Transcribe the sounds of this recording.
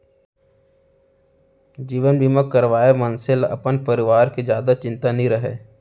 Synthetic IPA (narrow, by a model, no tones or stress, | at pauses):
d͡ʒiːʋənbiːməkːəɾʋaːemə̃nsɪlɐ̰pənpəɾɪʋaːɾkid͡ʒjaːd̪at͡ʃɪ̃nt̪anɦĩɾəɦḛː